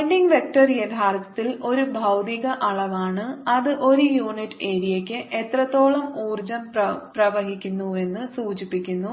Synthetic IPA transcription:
nɖiŋɡʋek̚ʈɐrjed̪ʱaːrt̪ːɐ̥t̪ːilo̞ɾubʱɐwd̪iɣɐʔɐɭɐʋaːɳɨɐðɨʔo̞ɾujuːɳiʈːeːɾijɐkʲːɨʔe̞t̪rɐt̪ːo̞ːɭɐmuːrd͡ʑɐmpɐprɐʋɐɦikʲːunːue̞nːɨsuːd͡ʑipːikʲːunːu

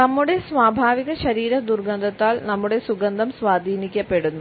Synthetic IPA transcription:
nɐmːuɽe̞sʋaːbʱaːʋiɣɐɕɐɾiːɾɐd̪urɡɐnd̪ʱɐt̪ːaːlnɐmːuɽe̞suɡɐnd̪ʱɐmsʋaːd̪ʱiːnikʲːɐpːe̞ɽunːu

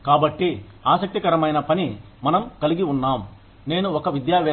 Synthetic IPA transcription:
kaːbɐʈːi | aːsɐk̚t̪ikɐɾɐmɐjnɐpɐni | mɐnɐmkɐliɡiunːaːm | ne̞ːnuɔkɐʋid̪jaːʋɛː

